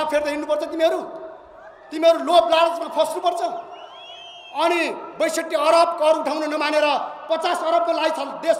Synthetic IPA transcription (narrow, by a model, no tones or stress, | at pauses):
apʰerd̪ʌɦinupʌrt͡sʰʌt̪imiɦʌɾu | t̪imiɦʌɾuloblaɽd͡zmapʰʌsnupʌrt͡sʰʌ | ʌnibʌjsʌk̚ʈːiʌɾʌb̚kʌɾuʈʰaw̃nonʌmaneɾʌpʌt͡sasʌɾʌbmalajt͡sʰald̪es